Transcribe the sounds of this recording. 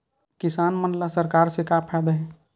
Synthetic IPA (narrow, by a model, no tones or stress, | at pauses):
kɪsaːnmənlasəɾkaːɾsekapʰɛd̪əɦɛ̃ː